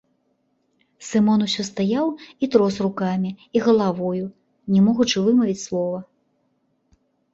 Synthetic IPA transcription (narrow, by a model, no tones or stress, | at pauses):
sɨmɔnusʲɔst̪ajawit̪ɾɔsrukamʲiiɣɐlˠavɔju | nʲɛmɔɣut͡ʂɨvɨmɐvʲit͡sʲslˠɔvɐ